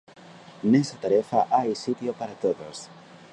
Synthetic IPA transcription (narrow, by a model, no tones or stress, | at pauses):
nɛsat̪aɾɛfaʔajsit̪jopaɾat̪oðos